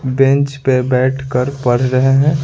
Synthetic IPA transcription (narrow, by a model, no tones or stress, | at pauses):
bẽnt͡ʃpebɛːʈʰkəɾpɐɽ̤ɾəɦeɦɛ̃